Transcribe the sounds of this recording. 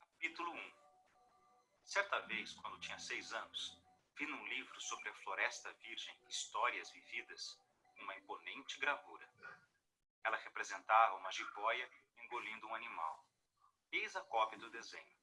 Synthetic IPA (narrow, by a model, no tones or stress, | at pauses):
kapit̪ulʊũ | sɛɾt̪ɐvejskwɐ̃nd̪ʊt͡ʃĩɲɐsejzɐ̃nʊs | v̥ĩnũlivɾʊsobɾɪɐfloɾɛst̪ɐviɾʒẽj̃ist̪ɔɾiɐzvivid̪ɐs | ũmɐĩponẽnt͡ʃɪɡɾavuɾɐ | ɛlɐhepɾezẽnt̪avɐũmɐʒibɔjɐ | ẽŋɡolĩnd̪ʊũɐnima̰w | ejzɐkɔpjɐd̪ʊd̪ezẽɲʊ